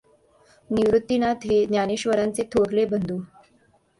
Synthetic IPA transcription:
niʋɾut̪ːinat̪ɦed̪njaniɕʋəɾant͡set̪ʰoɽlebənd̪ʱuː

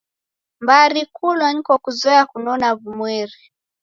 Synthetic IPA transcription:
mbaɾikulwaɲikɔkuzɔakunɔnavumwɛɾi

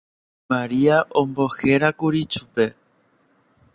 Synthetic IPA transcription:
maɾiaʔõmbo̞xe̞ɾakuɾit͡ʃupe̞

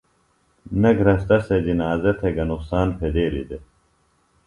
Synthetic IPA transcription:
nɐɡʱɾɐst̪ɐsed͡ʑinaːzɐt̪ʰeɡɐnuksaːnpʰed̪eːɾḭd̪e

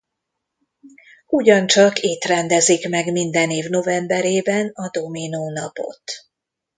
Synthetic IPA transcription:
uɟɒnt͡ʃɒkeːt̪rɛnd̪ɛzikmɛɡmind̪ɛneːvno̞vɛmbɛɾeːbɛnɒd̪o̞minoːnɒpo̰t̪

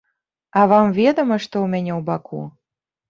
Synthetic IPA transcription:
ɑvɑmvʲed̪ə̆məʃt̪oumʲenʲeubɑkʰṵ

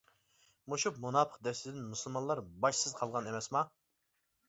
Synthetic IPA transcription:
muʃupmunɑːpʰəqd̪ɛst̪ɪd̪ɪnmusɨlˠmɑnlˠɑɾbɑʃsɨz̥qʰɑlˠʁɑnemɛsmɑ

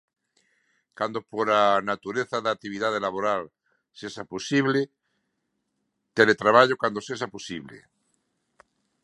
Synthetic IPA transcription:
kand̪opoɾanat̪uɾeθaðat̪iβ̞iðað̞elaβoɾal | seʃaposiβle | t̪elet̪ɾaβ̞aʎokwand̪oseʃ̬aposiβlḛ

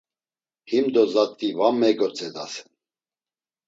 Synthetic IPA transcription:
himd̪ɔzat̪ʼːivamːɛɡɔt͡sʼɛd̪a̰sɛ̥n

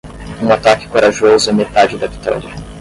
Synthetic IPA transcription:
ũat̪akɪ̥koɾaʒozʊɐmet̪ad͡ʒɪd̪ɐvi̥t̪ɔ̰ɾiɐ

